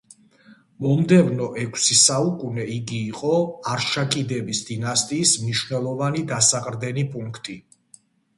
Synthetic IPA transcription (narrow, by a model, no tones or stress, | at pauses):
mɔmd̪ɛvnɔʔɛkʷʰsisaukʼunɛiɡiːqʼɔaɾʃakʼid̪ɛbisd̪̥inast̪ʼiːsmniʃvnɛlˠɔvanid̪asaqʼɾd̪ɛnipʼuŋkʰt̪ʼi